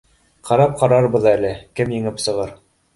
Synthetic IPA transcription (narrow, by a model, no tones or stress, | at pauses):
qʰɑɾɑp̚qɑɾɑɾbɤðælɘkɘmjɘ̆ŋɘpsɤ̆ʁɤɾ